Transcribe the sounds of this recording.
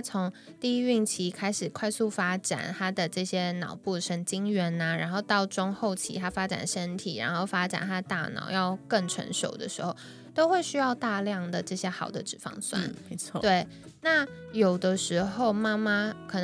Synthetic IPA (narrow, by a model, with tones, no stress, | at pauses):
t͡sʰo˧˥ŋt̪i˥˧i˥y˥˩ŋt͡ɕʰi˧˥kʰa˥ɪʂɻ̩˨˩kʰwa˥˧ɪsu˥˩fa˥ʈ͡ʂa̰˨˩nt̪ʰa˥d̪ə˨ʈ͡ʂɤ˥˩ɕjɛ˥nɑ˨˩ʊpu˥˩ʂʰə˧˥ŋt͡ɕi˥ŋɥɛ˧˥nɐ˧ɻa˧˥nxo˥˧ʊt̪ɑ˥˩ʊʈ͡ʂʊ˥ŋxo˥˩ʊt͡ɕʰḭ˧˥t̪ʰa˥fa˥ʈ͡ʂa̰˨˩nʂə˥nt̪ʰḭ˨˩ɻa̰˧˥nxo˥˩ʊfa˥ʈ͡ʂa̰˨˩nt̪ʰa˥d̪ə˨˩t̪a˥˩nɑ̰˨˩ʊjɑ˥˧ʊkə˥˩ŋʈ͡ʂʰə̰˧˥nʂo̰˨˩ʊd̪ə̰˦ʂɻ̩˧˥xo˥˩ʊ | t̪o˥ʊxwe˥˧ɪɕy˥jɑ˥˧ʊt̪a˥˧ljɑ˥˩ŋd̪ə˩ʈ͡ʂɤ˥˩ɕjɛ˥xɑ˨˩ʊd̪ə˦ʈ͡ʂɻ̩˨˩fɑ̰˥˧ŋswa̰˥nʰ˧ɔ˥˧t̪we˥˩ɪ | na˥˩ | jo˨˩ʊd̪ə˦ʂɻ̩˧˥xo˥˩ʊma˥ma˧kʰɤ˨˩n